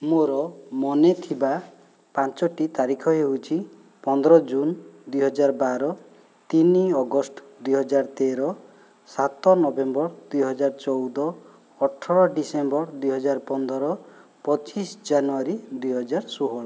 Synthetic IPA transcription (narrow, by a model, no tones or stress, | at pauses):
moɾɔmɔnet̪ʰiba | pãnt͡ʃɔʈit̪aɾikʰɔɦeɦut͡ʃʰi | pɔnd̪ɔɾɔd͡ʒund̪ujɦɔd͡ʒaɾbaɾɔ | t̪iniɔɡɔsʈ | d̪ujɦɔd͡ʒaɾt̪eɾɔ | sat̪ɔnɔbembɔɾd̪ujɦɔd͡ʒaɾt͡ʃɔwd̪ɔː | ʈʰɔɾɔɖisembɔɾd̪ujɦɔd͡ʒaɾpɔnd̪ɔɾɔpɔt͡ʃisd͡ʒanuaɾid̪ujɦɔd͡ʒaɾsuɦɔɾɔ